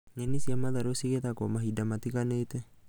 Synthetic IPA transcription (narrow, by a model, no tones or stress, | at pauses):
ŋenisiamaðaɾosiket̪akomaɦidamat̪ikaneit̪e